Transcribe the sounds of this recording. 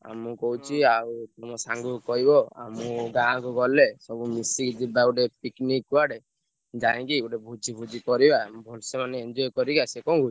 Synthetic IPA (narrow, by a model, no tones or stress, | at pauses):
a̰mukɔut͡ʃʰiawt̪ɔmɔsaŋɡukɔɦibɔa̰muɡããkuɡɔlesɔbumisikd͡ʒibauʈepiknikːuaɽe | d͡ʒaẽkiuʈebʱud͡ʒibʱud͡ʒikɔɾibambʱɔlsemaneend͡ʒɔjkɔɾiɡasekɔ̃ɡʱu